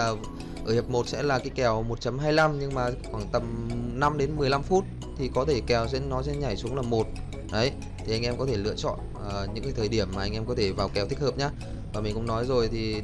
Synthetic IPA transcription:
aː˨˩ | ʔəː˧˩hə˨˩p̚mo˨˩t̚sɛ̰˧˥laː˨˩ka˨˦jkɛ˨˧˩wmo˨˩t̚t͡ɕə˨˦mɦaː˧jla˧mɲɨ˧ŋmaː˨˩xwaː˧˩ŋt̪ə˨˩mna˧mɗe˨˦nmɨ˨˩əjla˧mfu˦˥t̚ | t̪ʰi˨˩kɔ˨˦t̪ʰe˧˩kɛ˨˩wzɛ̰˧˥nːɔ˨˦sɛ̰˧˥ɲa˨˩jsu˨˦əŋlaː˨˩mo˨˩t̚ | ɗə˨˦j | t̪ʰi˨˩ʔa˧jŋʔɛ˧mkɔ˨˦t̪ʰe˧˩lɨ̰˧˨ət͡ɕɔ̰˧˨n | ə˨˩ɲɨ̰˧˥ŋkaː˨˦t̪ʰːjɗi˧˩əmːaː˨˩ʔa˧ŋʔɛ˧mkɔ˨˦t̪ʰe˧˩vaː˨˩wkɛ˨˩wt̪ï˦˥k̚həː˨˩p̚ɲaː˧ | vaː˨˩mi̟˨˩kʊ̰˧˥ŋ͡mnɔ˨˦jzo˨˩jt̪ʰi˨˩

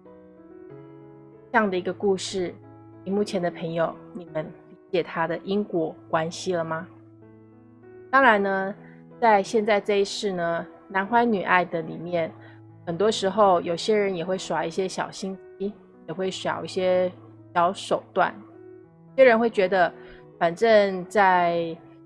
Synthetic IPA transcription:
ʈ͡ʂɤ˥˧jɑ˥˩ŋd̪ə˩i˧˥ɡə˧ku˥˧ʂɻ̩˥˩ | ni˨˩mu˥˩t͡ɕʰjɛ˧˥nd̪ə˧pʰə˧˥ŋjo˨˩ʊni˨˩mə˦nli˧˥t͡ɕjɛ˨˩t̪ʰa˥d̪ə˨ʔi˥ŋkwɔ˧˩kwa˥nɕi˧lə˨ma˩ | t̪ɑ˥ŋɻa˧˥nnə˧ | t͡sa˥˧ɪɕjɛ˥˧nt͡sa˥˧ɪʈ͡ʂɤ˥˧i˧˥ʂɻ̩˥˩nə˩ | na˧˥nxwa˥ɪny˨˩ʔa̰˥˩ɪd̪ə˩lḭ˨˩mjɛ˥˩n | xə˨˩nt̪wɔ˥ʂɻ̩˧˥xo˥˧ʊjo˨˩ʊɕjɛ˥ɻə˧˥njɛ˨˩xwe˥˩ɪʂwa˧˥i˥˩ɕjɛ˥ɕjɑ̰˨˩ʊɕi˥ŋt͡ɕi˥ | jɛ˨˩xwe˥˩ɪʂwɑ̰˨˩˦ʊi˥˩ɕjɛ˥ | ɕjɑ˧˥ʊʂo˨˩ʊt̪wa̰˥˩n˩ | ɕjɛ˥ɻə˧˥nxwe˥˩ɪt͡ɕɥɛ˧˥d̪ə˧ | fa˨˩nʈ͡ʂə˥˧ŋt͡sa˥˧ɪ

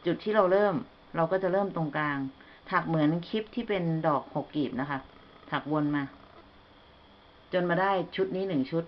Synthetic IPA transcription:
t͡ɕu˨˩t̪ʰːiː˥˩ɾa˧wɾɤː˥˩m | ɾa˧wkɔː˥˩t͡ɕa˨˩ɾɤː˥˩mt̪o˧ŋklaː˧ŋ | t̪ʰaː˨˩k̚mɯ˩˦ənkʰi˦˥p̚t̪ʰiː˥˩pe˧ndɔː˨˩k̚ho˨˩kːiː˨˩p̚na˦˥kʰa˦˥ | t̪ʰa˨˩k̚wo˧nmaː˧ | t͡ɕo˧nmaː˧daː˥˩jt͡ɕʰu˦˥t̪̚niː˦˥nɯ˨˩ŋt͡ɕʰu˦˥t̪̚

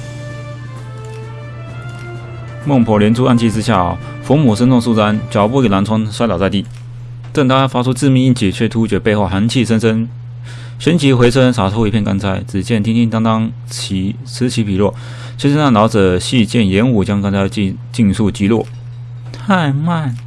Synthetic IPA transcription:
mɤ˥˩ŋpʰɔ˧˥ljɛ˧˥nt͡sʰu˥a˥˧nt͡ɕʰi˥˧ʈ͡ʂɻ̩˥ɕja̰˥˩ | fɔ˧˥mu˨˩ʂə˥nt͡sʊ˥˧ŋsu˥˧˩t͡sa˥nt͡ɕjɑ˨˩ʊpu˥˩i˨˩la˧˥nt͡sʰwɑ˥ŋswa˥ɪlɑ˨˩ʊt͡sa˥˧ɪt̪i˥˩ | t̪ə˥˩ŋt̪ʰa˥fa˥ʈ͡ʂʰu˥t͡sɹ̩˥˧mi˥˧ŋi˥˧nt͡ɕʰi˨˩t͡ɕʰɛ˥˩t̪ʰu˥t͡ɕɥɛ˨˩pe˥˧ɪxo˥˩ʊxa˧˥nt͡ɕʰi˥˧ʂə˥nʂə˥n | ʂə˥nt͡ɕʰi˧˥xwe˧˥ɪt͡sʰə˥nʂa˨˩t͡sʰo˥ʊi˧˥pʰjɛ˥˩nka˥nt͡sʰa˧˥ɪt͡sɹɻ̩˨˩t͡ɕjɛ˥˩nt̪ʰi˥nt̪ʰi˥˧ŋt̪ɑ˥ŋt̪ɑ˥ŋʰ | i˧˥ | t͡sʰɹ̩˧˥t͡ɕʰi˧˥pʰi˨˩lwɔ˥˩ | t͡ɕʰɛ˥nʂə˥na˥˩nɑ˧˥ʊt͡sɤ˨˩ɕi˥˧t͡ɕjɛ˥˩njɛ˧˥nu˨˩t͡ɕjɑ˥ŋk̪nt͡ɕja˥˧ | t͡ɕi˥˧ŋsu˥˩t͡ɕi˧˥lwɔ̰˥˩ | t̪ʰa˥˧ɪma˥˩n

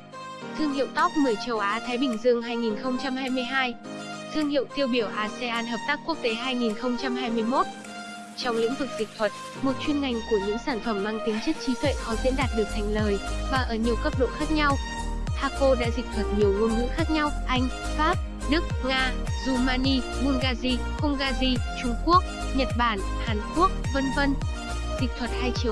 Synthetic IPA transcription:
t̪ʰɨ˧əŋhḭ˧˨wt̪ɔ˦˥k͡p̚mɨ˨˩əjt͡ɕə˨˩wʔaː˨˦t̪ʰaː˨˦jɓï˧˩ŋ̟zɨ˧əŋɦaː˧jŋi˨˩nxə˧wŋ͡mt͡ɕa˧mhaː˧jmɨ˧əjɦaː˧j | t̪ʰɨ˧əŋhḭ˧˨wt̪i˧əwɓi˧˩əwʔaː˧se˧ʔaː˧nɦəː˨˩p̚t̪aː˦˥kːu˦˥ək̚t̪e˨˦ɦaː˧jŋi˨˩nxə˧wŋ͡mt͡ɕa˧mɦaː˧jmɨ˧əjmo˦˥t̚ | t͡ɕɔ˧wŋ͡mlḭ˧˥ŋvɨ˨˩k̚zï˨˩k̟̚t̪ʰwə˨˩t̚ | mo˨˩t̚t͡ɕwi˧nŋa˨˩jŋ̟ku˧˩əɲɨ̰˧˥ŋsaː˧˩nfə˧˩mːaː˧ŋt̪ï˨˦ŋt͡ɕə˦˥t̚t͡ɕi˨˦t̪ʰwḛ˧˨xɔ˨˦zḭ˧˥nɗaː˨˩t̚ɗɨ˨˩ək̚t̪ʰa˨˩jŋ̟ləː˨˩jvaː˨˩ʔəː˧˩ɲi˨˩əwkə˦˥p̚ɗo̰˧˨xaː˦˥k̚ɲa˧w | haː˧ko˧ɗa̰ː˧˥zï˨˩k̟̚t̪ʰwə˨˩t̚ɲi˨˩əwŋu˧ənŋṵ˧˥xaː˦˥k̚ɲa˧wʔa˧jŋ̟ | faː˦˥p̚ | ɗɨ˦˥k̚ŋaː˧zu˧˩maː˧ni˧ | mu˧nɣaː˧zi˧ | kə˧wŋ͡mɣaː˧zi˧t͡ɕʊ˧ŋ͡mku˦˥ək̚ | ɲə˨˩t̚ɓaː˧˩n | haː˨˩nku˦˥ək̚və˧nvə˧n | zï̟˨˩t̪ʰwə˨˩t̚haː˧jt͡ɕi˨˧ə

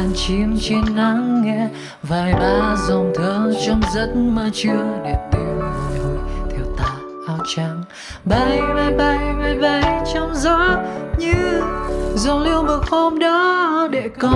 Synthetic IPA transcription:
a˨nt͡ɕi˨˦əŋt͡ɕe˧nna˧˦ŋːɛ˧˥ | vaː˨˩jɓaː˧˩zɔ˨˩ŋ͡mt̪ʰəː˧˦t͡ɕɔ˧wŋ͡mzə˧˦˥t̚maː˨˩t͡ɕɨ˧əɗe˨˩t̪i˧˩wno˨˩jt̪ʰi˧˩əwt̪aː˧˩ | ʔaː˧˦wt͡ɕa˧˦ŋ | ɓa˨˧˩jma˧˩jɓa˧˩jma˧jɓa˧˩jt͡ɕɔ˧wŋ͡mzɔ˧˦ɲɨ˧ | zɔ˨˩li˧əwmə˨˩t̚ho˧mɗɔ˨˦ɗe˧˩kɔ˧˦

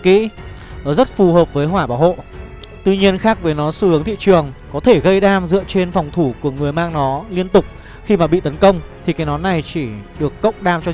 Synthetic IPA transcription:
kḭ˧˥ | zə˦˥t̚fu˨˩ɦəː˨˩p̚vəː˨˦jɦwaː˧˩ɓaː˧˩wɦo̰˧˨t̪wi˧ɲi˧ənxaː˦˥k̚vəː˨˦jnɔ˨˦sɨ˧hɨ˨˦əŋt̪ḭ˧˨t͡ɕɨ˨˩əŋkɔ˨˦t̪ʰe˧˩ɣə˧jɗaː˧mzɨ̰˧˨ət͡ɕe˧nfɔ˨˩wŋ͡mt̪ʰu˧˩ku˧˩əŋɨ˨˩əjmaː˧ŋnɔ˨˦li˧ənt̪ʊ˨˩k͡p̚ | xi˧maː˨˩ɓḭ˧˨t̪ə˨˦nkə˧wŋ͡mt̪ʰi˨˩kaː˨˦jnɔ˨˦nːa˨˩jt͡ɕi˧˩ɗɨ˨˩əkːə̰˦˥wŋ͡m̚ɗaː˧mt͡ɕɔ˧

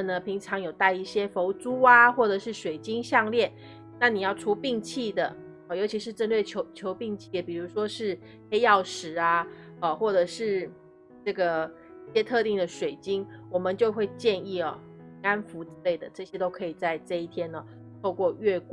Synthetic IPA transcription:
nə˩pʰi˧˥ŋʈ͡ʂʰɑ˧˥ŋjo˨˩ʊt̪a˥˧ɪi˥˩ɕjɛ˥fo˧˥ʊt͡su˥a˧xwɔ˥˩ʈ͡ʂɤ˨˩ʂɻ̩˥˩ʂwe˨˩ɪt͡ɕi˥ŋɕjɑ˥˧ŋljɛ˥˩n | na˥˩ni˨˩jɑ˥˩ʊʈ͡ʂʰu˧˥pi˥˧ŋt͡ɕʰi˥˩d̪ə˩ | jo˧˥ʊt͡ɕʰi˧˥ʂɻ̩˥˧ʈ͡ʂə˥˧nlwe˥˩ɪt͡ɕʰo˧˥ʊt͡ɕʰjo˧˥ʊpi˥˧ŋt͡ɕʰi˥˩ə˩pi˨˩ɻu˧˥ʂwɔ˥ʂɻ̩˥˩ | xe˥ɪjɑ˥˩ʊʂɻ̩˨˩a˧ | ə˧˩xwɔ˥˩ʈ͡ʂɤ˨˩ʂɻ̩˥˩ | ʈ͡ʂɤ˥˩ɡə˩ | i˥˩ɕjɛ˥t̪ʰɤ˥˧t̪i˥˩ŋd̪ə˩ʂwe˨˩ɪt͡ɕi˥ŋwɔ˨˩mə˦nt͡ɕjo˥˧ʊxwe˥˧ɪt͡ɕjɛ˥˧ni˥˩ɐ˩ | i˧˥ŋa˥nfu˧˥t͡sɹ̩˥˩le˥˩ɪd̪ə˩ʈ͡ʂɤ˥˩ɕjɛ˥t̪o˥ʊkʰɤ˧˥i˨˩t͡sa˥˧ɪʈ͡ʂɤ˥˧i˥˩t̪ʰjɛ˥nə˨ | t̪ʰo˥˧ʊkwɔ˥˧ɥɛ˥˧k

